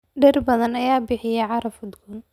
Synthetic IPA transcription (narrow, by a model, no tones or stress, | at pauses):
ɖɛrbɐðɐnɐjaːbɪħɪjɛjʕɑɾɐfʊd̪ɡuːn